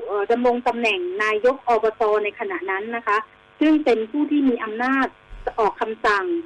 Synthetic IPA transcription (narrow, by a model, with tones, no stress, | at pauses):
ʔɤː˨˩da˧mɾo˧ŋt̪a˧mnɛ˨˩ŋnaː˧jːo˦˥k̚ʔɔː˧bɔː˧t̪ɔː˧na˧jkʰa˧na˨˩ʔna˦˥nːa˦˥kʰa˦˥ʔ | sɯ˥˩ŋpe˧npʰuː˥˩t̪ʰiː˥˩miː˧˩ʔa˧mnaː˥˩t̪̚ːʔɔː˨˩kʰːa˧msa˨˩ŋ